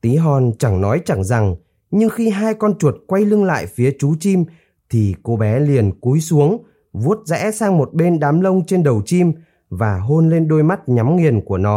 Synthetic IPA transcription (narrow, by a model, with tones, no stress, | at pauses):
t̪i˨˦ɦɔ˨˩nt͡ɕa˧˩ŋnɔ˨˦jt͡ɕa˧˩ŋza˨˩ŋ | ɲɨ˧ŋxi˧ɦaː˧jkɔ˧nt͡ɕu˨˩ət̚kwa˧jlɨ˧ŋla̰ː˧˨jfi˨˦ət͡ɕu˨˦t͡ɕi˧m | t̪ʰi˨˩ko˧ɓɛ˨˦li˨˩ənku˨˦jsu˨˦əŋ | vu˦˥ət̚zɛ̰˧˥saː˧ŋmo˨˩t̚ɓe˧nɗaː˨˦mlə˧wŋ͡mt͡ɕe˧nɗə˨˩wt͡ɕi˧m | vaː˨˩ɦo˧nle˧nɗo˧jma˦˥t̚ɲa˨˦mŋi˨˩ənku˧˩ənɔ˨˦